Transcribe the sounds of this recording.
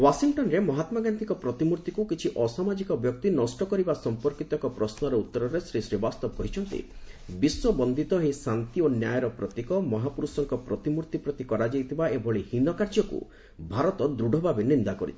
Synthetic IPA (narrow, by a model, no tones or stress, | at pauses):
wasiŋʈɔnɾemɔɦat̪maɡant̪ikɔpɾɔt̪imuɾt̪ikukit͡ʃʰiʔɔsamad͡ʒikɔbjɔk̚t̪inɔsʈɔkɔɾibasɔmpɔɾkit̪ɔkɔpɾɔsnɔɾɔut̪ːɔɾɔɾesɾisɾibast̪ɔbɔkɔɦit͡ʃʰɔnt̪ḭbiswɔbɔnd̪ʱit̪ɔɦesant̪ionjajɔɾɔpɾɔt̪ikɔmɔɦapuɾusɔŋkɔpɾɔt̪imuɾt̪ipɾɔt̪ikɔɾad͡ʒajt̪ʰibaebʱɔɭihinɔkaɾd͡ʒɔkṵ | bʱaɾɔt̪ɔd̪ɾuɖʱɔbʱabenind̪akɔɾḭt͡ʃʰi̥